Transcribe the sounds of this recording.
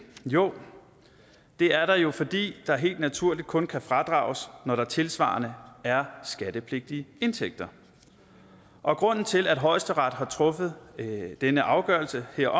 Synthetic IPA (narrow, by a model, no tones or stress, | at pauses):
jo̝̰ː | d̥e̝æɐɾɑ̈jo̝fɒ̽d̥ḭːd̥ɑ̈ɦe̝̰ːld̥næt͡sʰuɐ̰lid̥̚kʰɔ̽nkʰæfʁɑ̈d̥ʁɑ̰̈ːʊsnɒɾ̥ɑ̈t͡sʰe̝lsʋɑ̰̈ːɐnəæɐsɡ̥æɾ̥əpʰle̝ɡ̥̚d̥iəe̝nt͡sʰeɡ̥̚d̥ɐ | ʔɒ̽ɡ̥ʁɔ̽n̰n̩t͡sʰe̝læd̥ɦɒ̽ɪsd̥əʁɑd̥ɦɑ̈t͡sʰʁɔ̽fəð̞̩ˠd̥enəʔɑ̈ʊɡ̥ɶɐlsəheɐ̰ɒ̽